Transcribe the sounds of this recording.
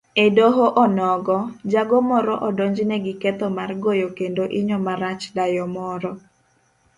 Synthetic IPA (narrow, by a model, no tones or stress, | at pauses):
ɛdoɦoʔɔnɔɡɔd͡ʒaɡɔmɔɾɔʔɔdɔɲd͡ʒnɛɡɪkɛt̪ɔmarɡojokendoʔɪɲɔmaɾat͡ʃdajɔmɔɾɔ